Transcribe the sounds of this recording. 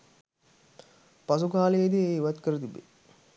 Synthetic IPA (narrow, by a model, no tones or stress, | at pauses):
pas̬ukaːlejed̪eeːiʋat̪kəɾət̪ibḛ